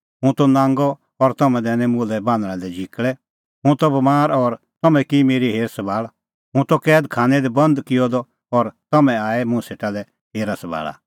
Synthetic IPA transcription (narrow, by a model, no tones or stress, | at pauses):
ɦũt̪ɔnãːŋɡɔ | ɔɾt̪ɐmɛ̃d̪ɛːnɛ̃mʊlɛbãːnd̪ɽ̃ɛ̃lɛd͡ʒʱikɭɛ | ɦũt̪ɔbɐmaːɾɔɾ | t̪ɔmɛ̃kimeːɾiɦeːɾsɐbʱaːɭ | ɦũt̪ɔkɛːd̪kʰaːnɛd̪ɛbɐ̃nd̪kɪjɔd̪ɔ | ɔɾt̪ɐmɛ̃aːɛmʊ̃seːʈalɛ | ɦeːɾasɐbʱa̰ːɭa̰